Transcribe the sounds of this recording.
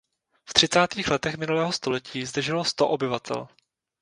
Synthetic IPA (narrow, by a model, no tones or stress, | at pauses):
ft̪r̥ɪt͡saːt̪iːxlɛt̪ɛxmɪnulɛːɦost̪o̞lɛciːzd̪r̩ʒɪlo̞st̪o̞ʔobɪvat̪ʰɛ̰l